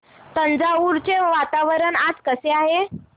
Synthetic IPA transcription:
t̪ənd͡zauɾt͡ɕeʋat̪aʋəɾəɳad͡zkəseaɦe

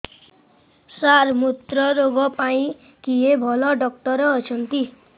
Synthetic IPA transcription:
saɾmut̪ɾɔɾoɡɔpaĩ | kiɦebʱɔlɔɖɔk̚ʈɔɾɔːt͡ʃʰɔnt̪i

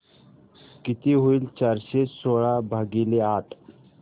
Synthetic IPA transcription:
kit̪iɦuilt͡ʃaːɾsesoːɭabʱaɡileaːʈʰ

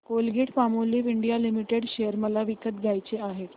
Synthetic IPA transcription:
kolɡʱeʈpamoliʋiɳɖijalimiʈeɽɕejəɾməlaʋikət̪ɡʱjajt͡ɕeaɦet̪

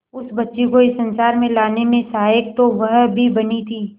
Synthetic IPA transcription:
ʊsbɐtːʃekoɪsɐ̃nsaːɾmẽlaːnemẽsaɦaːɪk̚t̪oʋɐɦbʱibɐnit̪ʰiː

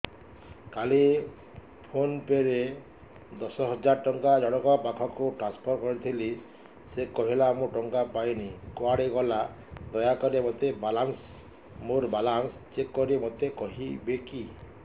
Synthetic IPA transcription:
kali | pʰonpeɾe | d̪ɔsɔɦɔd͡ʒaɾʈɔŋkad͡ʒɔɽ̃ɔkɔpakʰɔkuʈɾanspʰɔɾkɔɾit̪ʰili | sekɔɦilamuʈɔŋkapajnikoaɽiɡɔla | d̪ɔjakɔɾemot̪ebalans | moɾbalanst͡ʃekːɔɾimot̪ekɔɦibeki

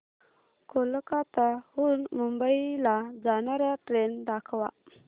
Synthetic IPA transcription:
koləkat̪ahunmʊmbajlad͡zanaɾaʈɾendakʰawa̰

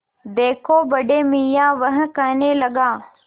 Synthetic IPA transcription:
d̪eːkʰoːbɐɖeːmiːjãːʋəɦə̃̆kɐneːlɐɡaː

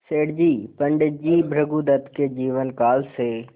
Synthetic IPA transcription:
seːɽd͡ʒiːpəɳɖd͡ʒiːbʱɾəɡud̪ət̪ked͡ʒiːʋənkaːlseː

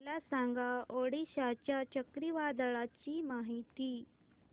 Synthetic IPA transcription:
lasãŋɡaoɽiɕat͡ɕjat͡ɕəkɾiʋad̪ɭat͡ɕiːmaɦit̪iː

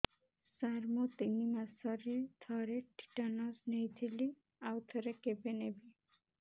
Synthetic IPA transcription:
saɾmot̪inimasɔɾet̪ʰɔɾeʈʰi̥ʈanɔsnejt̪ʰili | awt̪ʰɔɾekebenebi

